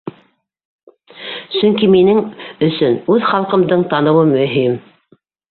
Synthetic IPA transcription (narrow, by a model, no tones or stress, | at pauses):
sɵŋkiminɘŋɵ̆sɵnʉðχɑlˠqɤ̆md̪ɤɴt̪ɑnɤ̆wɤmːɵ̆ɦim